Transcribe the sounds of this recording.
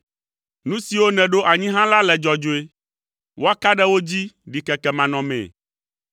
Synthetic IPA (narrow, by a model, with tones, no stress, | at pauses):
nũ˦si˨wo˦nɛ̃˨ɖo˦ʔa˨ɲĩ˦ɦã˦la˦lɛ˨d͡ʒɔ˨d͡ʒo˨e˦ | wo˦a˦ka˦ɖɛ˦wo˦d͡ʑi˦ɖi˨kɛ˨kɛ˨mã˨nɔ̃˨mɛ̰̃˨